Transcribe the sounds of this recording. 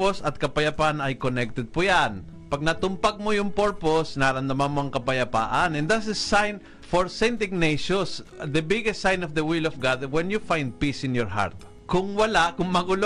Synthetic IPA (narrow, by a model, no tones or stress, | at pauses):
posɐt̪̚kɐpɐjɐpaʔanɐjkonɛk̚t̪ɛd̪̚pʊjanpɐɡ̚nɐt̪ʊmpaɡ̚mojʊŋpoɹposnaːɾɐnd̪ɐmanmoɐŋkɐpɐjɐpa̰ːʔanɛ̃nd̪asɐsajn | fɔɹsɛ̃nd̪ɪɡ̚neʃɔnsd̪ɐbɪɡɛst̪sajnɔvd̪ɐwɪlɔfɡad̪wɛnjufajnd̪̚pisɪ̃njɔɹɦa̰ɹt̪̚ | kʊŋwɐlaʔkʊŋmɐɡʊlo